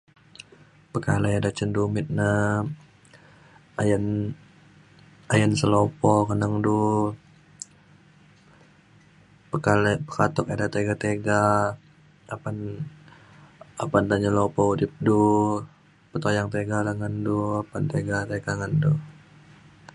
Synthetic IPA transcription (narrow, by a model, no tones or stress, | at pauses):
pəkalaadat͡ʃəndumɪt̪̚na | ajn | ajənsəlɔpɔkənəŋdu | pəkalpə̥kat̪ɔkadat̪eɡat̪eɡa | apan | apand̪aɲəlɔpɔudɪp̚du | pət̪ojaŋt̪eɡalaŋənduapant̪eɡat̪eɡaŋənduh